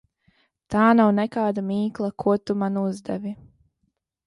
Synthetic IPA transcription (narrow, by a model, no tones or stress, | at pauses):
t̪aːnawnɛkaːd̪amiːklˠakʰuɔt̪umanuzd̪ɛvi